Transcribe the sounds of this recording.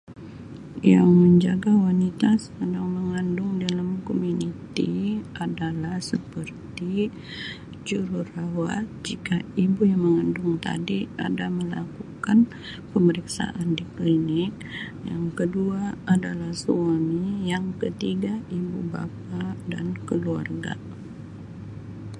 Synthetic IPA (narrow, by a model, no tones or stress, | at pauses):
ja̰ŋməɲd͡ʒaɡawanit̪asə̥kədaŋməŋandʊŋdalamkomunit̪ḭʔadalahsəpərt̪i | d͡ʒuɾurawa̰t̪̚d͡ʒikaibujaŋməŋandʊŋt̪a̰dia̰daməlakukan | pəməɾiksa̰ʔandiklinɪk̚ | jaŋkəduaadalahsuamijaŋkət̪iɡaibuba̰p̚ada̰nkəlua̰rɡa̰